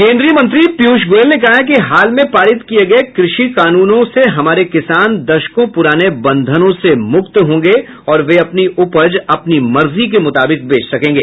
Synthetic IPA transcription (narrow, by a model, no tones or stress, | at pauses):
kẽːnd̪ɾijəmɐ̃nt̪ɾipjuːʃɡoːlnekɐɦjak̬iɦaːlmẽpaːɾɪt̪kieɡɐekɾɪʃikaːnuːnõseɦɐmaːɾekɪsaːnd̪ɐʃkõpʊɾaːnebɐ̃nd̪ʱənõsemʊkt̪ɦõːŋɡe | ɔːɾʋeɐpniʔʊpəd͡ʒɐpnimɐɾzik̬emʊt̪aːbɪk̚beːt͡ʃʰsɐkẽːŋɡeː